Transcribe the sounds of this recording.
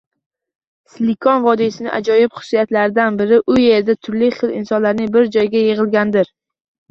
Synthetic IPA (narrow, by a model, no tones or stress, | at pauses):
slikʰɒnvɒd̪isɪnɪ̰ʔa̰d͡ʒɒjɪpχʊ̥sːijat̪laɾɪd̪anbɪɾɪʔʊje̞ɾɪd̪at̪ʰʊɾlɪχɨlˠɪnsɒnlaɾnɪŋbɪɾd͡ʒɒjɡʲajeʁɨlˠɡʲand̪ɪɾ